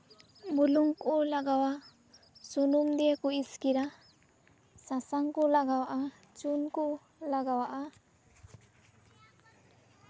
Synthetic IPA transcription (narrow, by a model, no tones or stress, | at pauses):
muluŋkʼulaɡawa | sunumd̪iekuiskiɾa | sasaŋkulaɡawaʔa | t͡ʃunku | laɡawaʔa